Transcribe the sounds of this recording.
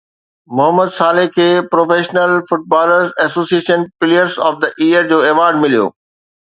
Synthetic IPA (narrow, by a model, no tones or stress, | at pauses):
mʊɦəmːəd̪saːlɪɦkʰeːpɾoːfeːʃnəlfʊʈ̚baːləɾzɛsoːsieːʃənpɪliəɾzɔːfd̪ɐʔiːəɾd͡ʑoːeʋaːɾɖmɪlijo̰ː